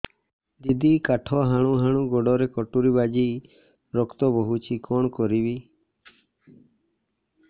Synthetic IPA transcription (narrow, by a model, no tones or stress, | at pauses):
d̪id̪ikaʈʰɔɦaɽ̃ũɦaɽ̃ũɡɔɖɔɾekɔʈuɾibad͡ʒi | ɾɔkt̪ɔbɔɦut͡ʃʰikɔɳ̃kɔɾibi